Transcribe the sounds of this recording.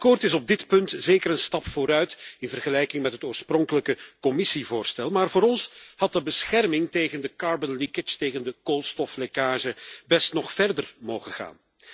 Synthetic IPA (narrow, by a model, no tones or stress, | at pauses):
kɔrtɪsɔb̚dɪtpɵntzeːkəɾənstɑpfoːɾœɥtɪnvərɣəlɛjkɪŋmɛtɦətoːrsprɔŋkələkəkɔmɪsivoːrstɛlˠmaːrvoːɾɔnshɑt̚dəbəsxɛrmɪŋteːɣəndəkɑɹbənlikɪsteːɣəndəkoːlˠstɔflekaːʒəbɛstnɔχfɛrdərmoːwɣəɣa̰ːn